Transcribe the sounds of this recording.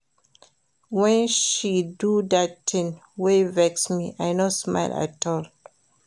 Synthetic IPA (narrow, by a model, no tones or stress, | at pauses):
wɛ̃nʃidudatʰɪ̃nwevɛksmiʔajnosma̰ɪla̰tʰɔl